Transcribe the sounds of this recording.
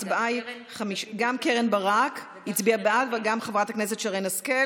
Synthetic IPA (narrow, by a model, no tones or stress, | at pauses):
baj | χamiʃɡamkeʁenbaʁak | hit͡sbiabatvaɡamχavʁataknes̬e̞tʃeaʁejnaske